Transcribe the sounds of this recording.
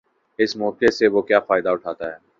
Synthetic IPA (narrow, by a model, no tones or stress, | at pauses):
ɪsmɔːkeseʋokjaːfaːɪd̪aʊʈʰaːt̪aɦɛː